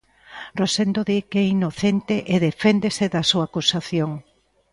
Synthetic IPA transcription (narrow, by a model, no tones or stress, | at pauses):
rosend̪oðikɛinoθent̪eʔeðefend̪eseðɐsuaːkusaθjoŋ